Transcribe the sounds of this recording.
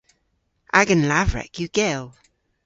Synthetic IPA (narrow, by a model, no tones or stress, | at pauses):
ʔaɡənlavɹɛ̰kjʉɡ̥ɛlˠ